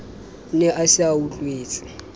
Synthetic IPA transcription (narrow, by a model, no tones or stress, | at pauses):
nɛʔasiawulʼweːt͡sʼi̥